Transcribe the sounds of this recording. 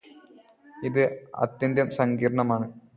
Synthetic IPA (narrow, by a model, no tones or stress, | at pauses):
iðɨɐ̰t̪jɐnd̪jɐmsɐŋɡiːɾɳɐmaːɳɨ